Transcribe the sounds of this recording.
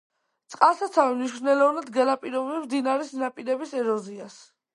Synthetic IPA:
t̪sʼqʼalˠsat̪sʰavimniʃknɛlɔvnad̪ɡɛlapʼiɾɔbɛmd̪inaɾisnapʼiɾɛbisɛɾɔzias

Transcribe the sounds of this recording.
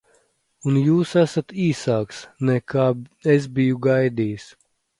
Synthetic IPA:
unjuːsæsat̪iːsaːksnɛkaːes̬bijuɡajd̪iːs

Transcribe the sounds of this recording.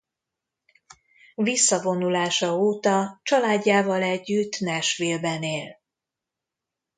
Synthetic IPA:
visːɒvo̞nulaːʃɒoːt̪ɒt͡ʃɒlaːɟːaːvɒlɛɟːyt̪ːnɛʃʋilbɛneːl

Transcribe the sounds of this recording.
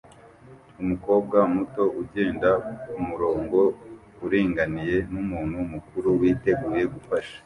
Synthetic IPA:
umuko̞ːb̚ɡamuto̞ʔuɟe̞ːndaumuɾo̞ːŋɡo̞ | uɾiːŋɡanije̞numuːnhumukuɾuwiːte̞ɡuːje̞ɡufaʃḁ

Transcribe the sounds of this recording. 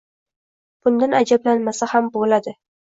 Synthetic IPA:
b̥ʊnd̪anad͡ʒablanmasahambolad̪ɪ

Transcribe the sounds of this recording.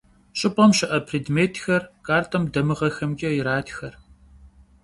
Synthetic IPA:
ɕʼɪpʼɐmɕɪʔɐpʰriːdmeːtʰxɐrkʰʼaːrtʰɐmdɐmɨʁɐxɐmɡʲɐjɪɾaːtxɐr

